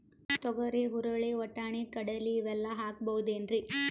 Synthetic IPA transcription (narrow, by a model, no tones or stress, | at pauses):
t̪ɔɡɐɾeɦuɾɐɭeɔʈːaːɳikɐɽɐliːʋɛlːɐɦaːk̚bɐwud̪eːnɾi